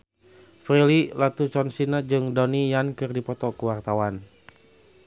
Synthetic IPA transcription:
fɾelilat̪ut͡ʃɔnsinad͡ʒɨŋdɔnijankɨrdipɔt̪ɔkəwart̪awan

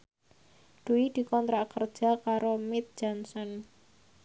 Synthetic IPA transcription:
ɖ̪̥uid̪̥i̤kɔnt̪ɾakərd̥ʒ̥a̤kaɾomɪt̪̚d͡ʒ̥ɔnsɔn

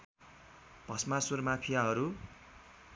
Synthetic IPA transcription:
b̥ʱʌsmasurmapʰijaɦʌɾu

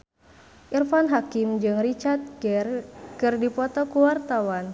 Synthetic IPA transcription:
ʔirfanɦakimd͡ʒɨŋrit͡ʃat̪̚ | kɨrdipɔt̪ɔkuwart̪awan

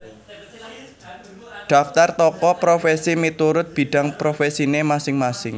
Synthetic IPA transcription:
ɖ̪̥a̤ft̪art̪ɔkɔpɾofɛsimit̪uɾʊt̪̚b̥i̤ɖ̥a̤ŋpɾofɛsinemasɪŋmasɪŋ

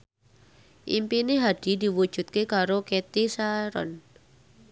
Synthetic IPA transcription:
ʔḭmpineɦad̥i̤d̪i̤wud̥ʒ̥ṳt̪̚kekaɾoket̪isaɾɔ̰n

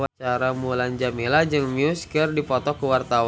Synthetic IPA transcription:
wat͡ʃaɾamuland͡ʒamilad͡ʒɨŋmiuskərdipɔt̪ɔkəwart̪awa

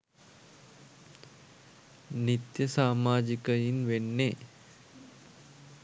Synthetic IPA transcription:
nit̪jəsaːmaːd͡ʒikəjinʋenːe

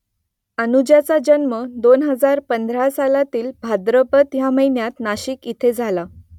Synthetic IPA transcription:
ənud͡ʑjat͡sad͡ʑənməd̪onɦəd͡zaɾpənd̪ʱɾasalat̪iːlbʱad̪ɾəpət̪jaməjnjat̪naɕiːkit̪ʰed͡zʱala

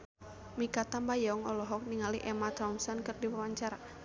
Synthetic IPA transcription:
mikat̪ambajɔɔŋɔlɔɦɔk̚niŋaliʔɛmat̪ɾɔnsɔnkɨrdiwawaɲt͡ʃaɾa

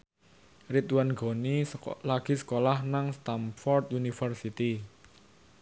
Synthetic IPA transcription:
rit̪wanɡɔ̤nilaɡ̥i̤sə̥kolahnaŋst̪amfɔrt̪̚junifərsit̪i

